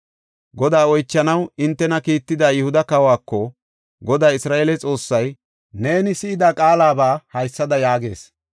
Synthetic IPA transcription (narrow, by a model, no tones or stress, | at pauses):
ɡɔd̪aːɔjt͡ʃːɐnɐwɪnt̪ːɛnɐkiːt̪ːɪd̪aːjɪhʊd̪ɐkɐwaːkːɔ | ɡɔd̪aːɪsɾaːʔeːlɛt͡sʼo̞ːsːɐj | ne̞ːnɪsɪɪd̪aːkʼaːlaːbaːhɐjsːɐd̪ɐjaːɡe̞̰ːs